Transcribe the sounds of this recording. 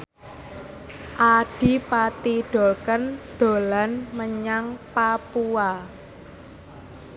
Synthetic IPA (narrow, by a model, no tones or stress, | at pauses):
ʔaɖ̥i̤pat̪iɖ̥o̤kənd̪̥o̤lanməɲaŋpapua